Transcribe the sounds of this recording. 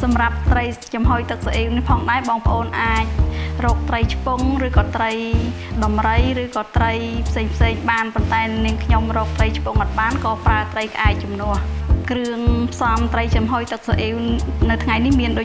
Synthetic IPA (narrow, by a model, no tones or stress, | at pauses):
sɑmrap̚t̪rəjt͡ɕɑmɦoːjt̪ɨk̚saʔiːwnihpʰɑːŋɗaɛɓɑːŋpə̆ʔoːnʔaːc̚rɔːk̚t̪rəjt͡ɕʰpoŋrɨːkɑːt̪rəj | ɗɑmrəjrɨːkɑːt̪rəjpʰseːŋpʰseːŋɓaːnpont̪aɛniəŋkʰɲomrɔːk̚t̪rəjt͡ɕʰpuŋʔɑt̪̚ɓaːnkɑːpraət̪rəjkə̆ʔaɛt̚t͡ɕumnʊ̆əhkrɨəŋpʰsɑmt̪rəjt͡ɕɑmɦoːjt̪ɨk̚saʔiːwnɨwt̪ʰŋajnihmiənɗoː